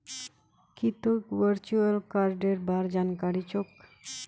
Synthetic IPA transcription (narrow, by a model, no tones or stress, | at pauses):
kit̪okʋəɾt͡ʃuəlkaɾɖeɾbaɾd͡ʒankaɽit͡ʃok